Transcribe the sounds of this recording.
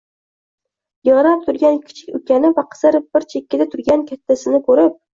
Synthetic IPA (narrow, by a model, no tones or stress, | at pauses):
jɨʁɾap̚t̪ʰʊɾɡʲankʲʰɪ̥t͡ʃʰɪkʲɵkʲanɪvaqʰɨ̥zaɾb̥ɪɾt͡ʃʰekʲːɪd̪at̪ʰʊɾɡʲankʲʰat̪ʰːasɪnɪkʰɵɾɪp̚